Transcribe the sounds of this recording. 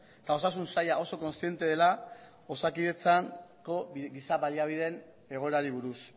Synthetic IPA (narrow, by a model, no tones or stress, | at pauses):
t̪ao̞sas̬unsajaʔo̞so̞ko̞nst̪ije̞nt̪e̞ðe̞la | o̞sakiðe̞t͡saŋko̞ɡisaβaliaβ̞ið̞e̞n | e̞ɣ̞o̞eɾaɾiβ̞uɾus